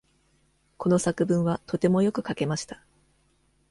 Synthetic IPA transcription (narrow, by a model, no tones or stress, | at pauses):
ko̞no̞sakɯ̟bɯ̟̃ɰ̃βat̪o̞t̪e̞mo̞jo̞kɯ̟kake̞maɕi̥t̪ḁ